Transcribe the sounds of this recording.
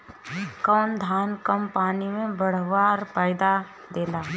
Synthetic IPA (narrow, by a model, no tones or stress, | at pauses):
kəːnd̪ʱaːnkəmpaːnimẽbɐɽ̤ʋaːɾpaːɪd̪a | d̪eːlaː